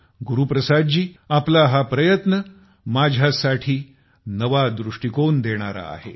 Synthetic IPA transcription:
ɡuɾupɾəsad̪d͡ʑiːaplaɦapɾəjət̪nə | mad͡ʑʱjasaʈʰiː | nəʋad̪ɾuʂʈikond̪eɽ̃aɾa̰ːɦe

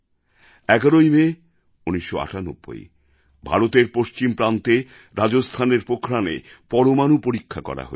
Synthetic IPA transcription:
ɛɡaɾojme | uniʃːoa̰ʈano̰bːo̰j | bʱa̰ɾot̪eɾpoʃt͡ɕimpɾant̪e | ɾad͡ʑost̪ʰaneɾpokʰɾanḛpɔɾomanupoɾikʰːakɔ̰ɾa̰ɦo̰e

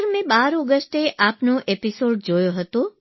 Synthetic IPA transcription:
ɾmẽbaɾɔɡəsʈeʔapnoʔepisoɖd͡ʒojoɦət̪o

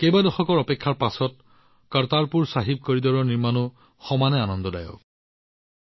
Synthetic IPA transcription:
kejbadɔxɔkɔɹɔpekʰːaɹpasɔt̚ | kaɹtaɹpuɹsaɦib̚koɹidɔɹɔɹniɹmanʊ | xɔmanɛanɔndɔda̰jɔ̰

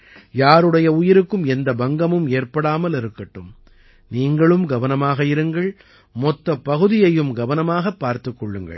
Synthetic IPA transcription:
jaːɾɯɽɐjɐʊjɪɾɯkːɯmɛnd̪ɐbɐŋɡɐmɯmeːrpɐɽaːmɐlɪɾɯkːɐʈːɯm | niːŋɡɐɭɯmɡɐʋɐnɐmaːɣɐɪɾɯŋɡɐɭ | mɔt̪ːɐpːɐɣɯðɪjɐjɯmɡɐʋɐnɐmaːɣɐpːaːɾt̪ɯkːɔɭːɯŋɡɐ̰ɭ

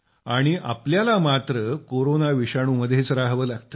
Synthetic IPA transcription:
aɽ̃iʔa̰pljalamat̪ɾəkoɾonaʋiɕaɽ̃uːməd̪ʱjet͡sɾaɦʋəːlaɡt̪ə

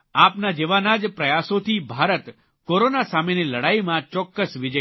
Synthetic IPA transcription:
apnad͡ʒeʋanad͡ʒpɾəjasot̪ʰibʱaɾət̪ | koɾonasameniləɽaimãt͡ʃɔkːəsʋid͡ʒə

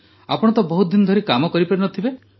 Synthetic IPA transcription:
a̰pɔɽ̃t̪ɔbɔɦut̪̚d̪inɔd̪ʱɔɾikamɔkɔɾipaɽinɔt̪ʰibe

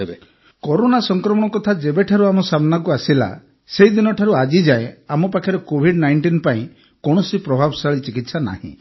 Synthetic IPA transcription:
ɦebe | kɔɾonasɔŋkɾɔmɔɽ̃ɔkɔt̪ʰad͡ʒebeʈʰaɾuamɔsamnak̬uasila̰ | sejd̪inɔʈʰaɾuad͡ʒid͡ʒaeamɔpakʰjɔɾɔkobʱiɖnajɳʈinpaĩ | kɔɽ̃ɔsipɾɔbʱabɔsaɭit͡ʃikit̪sana̰hḭ̃

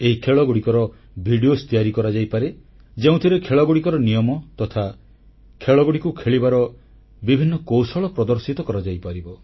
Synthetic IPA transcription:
eɦikʰeɭɔɡuɽikɔɾɔ | bʱiɖiost̪iaɾikɔɾad͡ʒajpaɾe | d͡ʒeũt̪ʰiɾekʰeɭɔɡuɽikɔɾɔnijɔmɔt̪ɔt̪ʰa | kʰeɭɔɡuɽikukʰeɭibaɾɔ | bibʱinːɔkowsɔɭɔpɾɔd̪ɔɾsit̪ɔkɔɾad͡ʒajpaɾibɔ

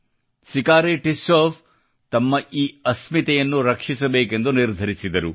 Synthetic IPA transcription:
sikaːɾeːʈisoːfʰ | t̪ɐmːɐʔiːɐsmit̪ɛjɐnːuɾɐkʂisɐbeːkend̪uniɾd̪ʱɐɾisid̪ɐɾu

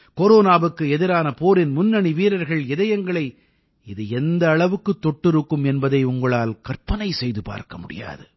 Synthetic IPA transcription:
koɾoːnaːʋɯkːɯɛðɪɾaːnɐpoːɾɪnmʊnːɐɳiʋiːɾɐɾɣɐɭɛðɐjɐŋɡɐɭɐɪ | ɪðɯɛnd̪ɐːɭɐʋɯkːɯt̪ːɔʈːɪɾɯkːɯmɛnbɐðɐɪʊŋɡɐɭaːlkɐɾpɐnɐɪsɛjðɯpa̰ːɾkɐmʊɽɪ̰ja̰ːðɯ

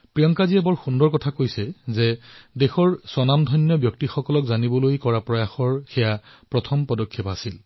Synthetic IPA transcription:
pɹijɔŋkaziɛbɔɹxundɔɹkɔtʰakojsɛzɛdexɔɹsɔnamdʱɔjnːjɔbjɔk̚tixɔkɔlɔkzanibɔlojkɔɹapɹɔjaxɔɹxɛja | pɹɔtʰɔmpɔdɔkʰːipasil

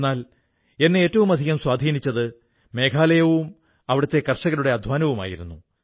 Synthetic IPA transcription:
nːaːl | e̞nːeeːtːɐʋumɐd̪ʱiɣɐmswaːd̪ʱiːnit͡ɕːɐðɨ | me̞ːkʰaːlɐjɐʋum | ɐʋiɽɐt̪ːe̞kɐrʂɐɣɐluɽe̞ɐd̪ʱʋaːnɐʋuma̰ːjiɾunːu

